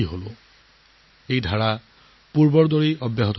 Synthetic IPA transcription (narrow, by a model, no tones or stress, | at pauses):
iɦolo | ejd̪ʱaɽa | puɾbɔɾd̪oɾiɔbjaɦɔt̪